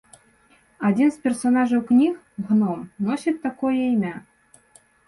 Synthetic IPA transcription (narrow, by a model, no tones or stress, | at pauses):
ɑdʲinspʲersonɑʒowknʲix | ɣnomnosʲit̪ːɑkojejmʲæ